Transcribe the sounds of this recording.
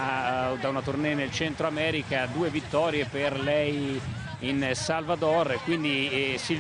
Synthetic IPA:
d̪aunat̪urnɛnelt͡ʃɛnt̪ɾoamɛːɾikad̪uːevit̪ːɔːɾjeperlɛj | insalvad̪ɔrkwind̪isil

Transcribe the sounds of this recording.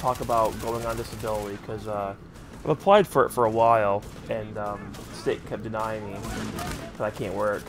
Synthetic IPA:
tʰɔkəbaʊt̚ɡ̥oʊɪ̃ŋə̃ndɪsɨbɪlˠəɾikʰʌzʌ | ãɪ̃məpʰl̥aɪd̥fə˞ɨ̰tfə˞əwaɪlˠ | ɨ̃nʌ̃m | stɪk̚kʰɛp̚d̥ɨnaɪŋmi | kʰʌzaɪkʰæ̃nʔwɜ˞ɨk

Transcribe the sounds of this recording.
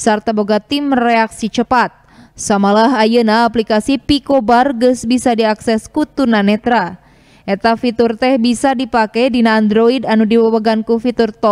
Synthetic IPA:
sart̪aboɡat̪imrɛaksit͡ʃəpat̪̚ | samalaɦajənaːplikasipikobarɡəsbisadiaksɛskut̪unanɛt̪ɾa | ʔɛt̪afit̪urt̪ɛhbisadipakɛdinaːndɾoidanudiwawaɡankufit̪urt̪ɔ

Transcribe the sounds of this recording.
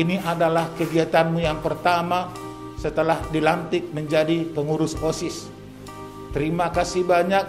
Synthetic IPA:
iniʔadalahkəɡiat̪anmujaŋpərt̪ama | sət̪əlahdilant̪ɪk̚məɲd͡ʒadipəŋuɾʊsosɪs | t̪əɾimakasibaɲak̚

